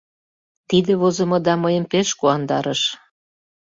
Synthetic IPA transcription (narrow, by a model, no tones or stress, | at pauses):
t̪id̪eβozə̆mɤ̆d̪ɑməjəmpeʃkuɑnd̪ɑɾəʃ